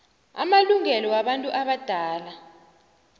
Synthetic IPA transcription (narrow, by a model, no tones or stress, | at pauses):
a̰maluŋɛlɔwaɓantʼuʔaɓad̥ʱaːla